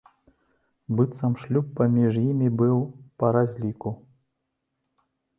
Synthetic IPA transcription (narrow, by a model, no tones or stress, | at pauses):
bɨt̪sɐmʂlʲupːɐmʲiʐjimʲibɨwpɐɾazʲlʲiku